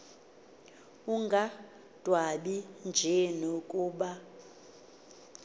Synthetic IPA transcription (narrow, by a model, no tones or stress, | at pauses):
uŋɡʱa | d̥ʱwaɓind͡ʒʱɛnokʼuːɓa